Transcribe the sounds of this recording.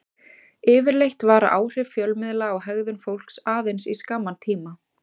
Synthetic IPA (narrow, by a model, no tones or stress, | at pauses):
ɪːvɪɾlejht̪vaːɾa̰ʔaːwr̥ɪvfjœlmɪðlaːwɦɛɣðʏnfowl̥ksaːðejnsiskaːmːant̪ʰiːma